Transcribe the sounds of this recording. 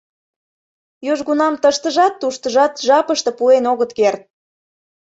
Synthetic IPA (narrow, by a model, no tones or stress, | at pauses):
jøʒɣunɑmt̪əʃt̪əʒɑt̪ːuʃt̪əʒɑt̪ʒɑpəʃt̪ə̆puenoɣət̪kert̪̚